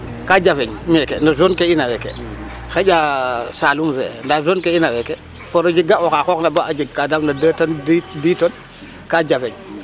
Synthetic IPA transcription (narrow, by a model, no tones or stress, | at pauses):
kad͡ʒafɛɲmɛkḛnazonkeinawɛkḛ | xeɟasalumfɛ̰ndazonkeinawɛke | poɾəd͡ʒiɡaoxaxɔknabaʔad͡ʒiɡ̚kadamnadətanddiːton | kad͡ʒafeɲ